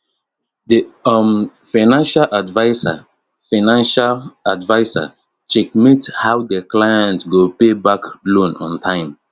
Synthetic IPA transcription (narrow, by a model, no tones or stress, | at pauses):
diam | faɪnãnʃalʔadvaɪsa̰ | faɪnãnʃaladvaɪsa̰ | t͡ʃɛkmithawdəklajɛ̃ntɡopebaklõnɔ̰̃ntʰãɪ̃m